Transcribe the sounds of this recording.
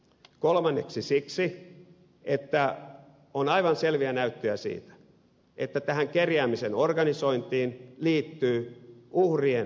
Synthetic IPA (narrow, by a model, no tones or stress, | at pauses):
kolmɑnːeksisiksi | et̪ːæ | onɑiʋɑnselʋiænæyt̪ːøæsḭːt̪æ̥ | ʔet̪ːæt̪æhæŋkerjæːmisenorɡɑniso̞int̪iːnliːt̪ːyːʔuhrien